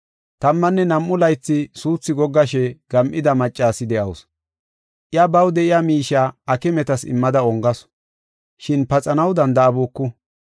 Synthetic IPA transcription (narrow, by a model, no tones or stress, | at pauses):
t̪ɐmːɐnːɛnɐmːʊlɐjt͡sːɪsuːt͡sːɪɡɔɡːɐʃ̬ɛɡ̥ɐmʔɪd̪ɐmɐt͡ʃʼːaːsɪd̪ɛʔɐws | ʔɪjabɐwd̪ɛʔɪjamiːʃaːɐkɛmɛt̪ɐsɪ̰mːɐd̪ɐɔŋɡɐs | ʃɪnpɐt͡sʼɐnɐwd̪ɐnd̪ɐːbuːkːʊ